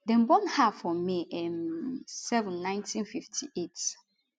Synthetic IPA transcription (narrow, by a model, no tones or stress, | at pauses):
dɛ̃nbɔ̃nhafɔmeʔɛmsɛvɛ̃nːãɪ̃ntʰĩnfiftʰḭʔet